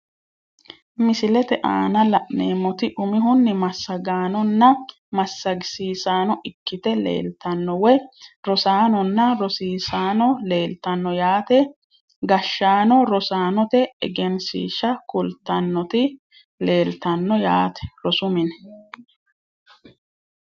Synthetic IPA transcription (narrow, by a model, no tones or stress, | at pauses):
mɪsɪlɛt̪ɛʔaːnɐlɐʔneːmːɔt̪ɪʔʊmɪɦʊnːɪmɐsːɐɡaːnɔnːɐ | mɐsːɐɡɪsiːsaːnɔʔɪkːɪt̪ɛlḛːlt̪ɐnːɔwɛɾɔsaːnɔnːɐɾɔsiːsaːnɔle̞ːlt̪ɐnːɔjaːt̪ɛ | ɡɐʃːaːnɔɾɔsaːnɔt̪ɛɛ̰ɡɛnsḭːʃɐkʊlt̪ːɐnːɔt̪ɪ | le̞ːlt̪ɐnːɔjaːt̪ɛ̥ɾɔsʊmɪn